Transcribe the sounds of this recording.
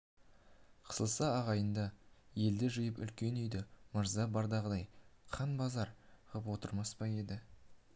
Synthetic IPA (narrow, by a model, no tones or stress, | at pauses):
qʰə̥səlˠsɑːʁɑjənd̪ɑje̞ld̪ɪʒɪjəpʏ̰lkʲe̞nijd̪ɪməɾzɑbɑɾd̪ɑʁəd̪ɑjqʰɑnbɑzɑɾʁəpwo̞t̪əɾmɑspɑje̞d̪ɪ